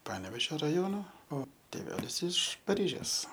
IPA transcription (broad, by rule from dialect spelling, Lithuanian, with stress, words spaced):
ˈpɑːnʲɛʋʲeːʒʲoː rɐˈjoːnoː oː tʲeːˈʋʲæːlʲɪs ɪʃ pɐˈrʲiːʒʲeːs